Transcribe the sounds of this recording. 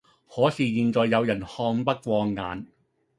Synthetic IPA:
hɔː˨˥siː˨˩jiː˧nt͡ʃɔː˨˧jːɐ˨˧wjɐ˨˩nhɔː˧ŋpɐ˥k̚kʷɔː˧ŋːa̰ː˨˧n

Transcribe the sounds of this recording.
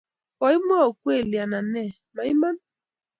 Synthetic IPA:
kɔ˨˦i˦m˦ɔ˦o˨kwe˦˨li˨a˨na˨nɛ˦˨ | ma˨i˦ma˦n

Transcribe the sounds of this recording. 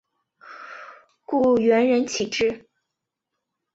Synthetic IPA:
ku˥˩ɥɛ˧˥nɻə˧˥nt͡ɕʰi˨˩ʈ͡ʂɻ̩˥˩

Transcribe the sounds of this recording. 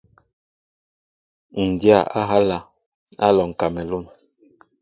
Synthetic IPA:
ŋ̩˨dja˦˨a˦ɦa˦la˦ | a̰˦lɔ˨ŋ̩˨ka˨mɛ˨lu˦˨n

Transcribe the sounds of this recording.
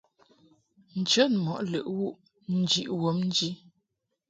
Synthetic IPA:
n̩˨t͡ʃə˦nmɔ˨ʔlə̰˨ʔwu˦ʔ | n̩˦d͡ʒi˨ʔwo˨˦mn̩˦d͡ʒi˦

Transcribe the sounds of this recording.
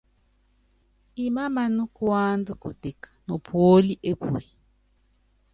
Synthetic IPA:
i˨ma˦ma˨nu˦kwa˦ndu˦kṵ˨te˨kḁ˨nɔ˨pʰwo˦li˦ʔe˦pṵ˨e˨

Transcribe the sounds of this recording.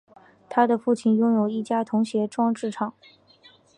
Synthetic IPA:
t̪ʰa˥d̪ə˨fu˥˧t͡ɕʰi˥˩njʊ˥ŋjo˨˩ʊi˥˩t͡ɕja˥t̪ʰʊ˧˥ŋɕjɛ˧˥ʈ͡ʂwɑ˥ŋʈ͡ʂɻ̩˥˩ʈ͡ʂʰɑ˨˩˦ŋ

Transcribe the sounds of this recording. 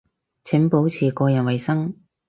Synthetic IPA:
t͡sʰɪ˨˥ŋpo˨˥wt͡sʰiː˨˩kɔː˧jɐ˨˩nwɐ˨jsɐ˥ŋ

